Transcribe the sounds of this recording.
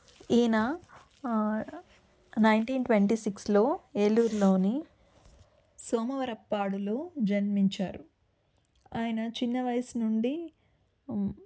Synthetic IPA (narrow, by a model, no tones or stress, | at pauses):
iːnɐ | nɐjɳʈiːnʈʋeɳʈiːsikslo̞ːeːluːɾlo̞ːni | soːmɐʋɐɾɐpːaːɽuloːd͡ʒɐnmiɲt͡ʃaːɾu | aːjɐnɐt͡ʃinːɐʋɐjɐsnuɳɖi